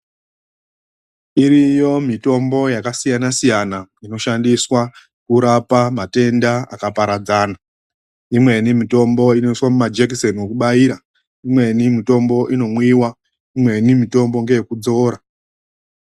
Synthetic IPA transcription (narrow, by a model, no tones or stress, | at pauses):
iɾijo̞mito̞mbo̞jakasijanasijanaino̞ʃandiswa | kuɾapamate̞ndaa̰kapaɾad͡zaːna | imwe̞nimito̞mbo̞inoiswamumad͡ʒekisonwokuɓaiːɾa | imwe̞nimito̞mbo̞ʔino̞mwiwa | imwe̞nimito̞mbo̞ŋɡe̞jekud͡zo̞ːɾa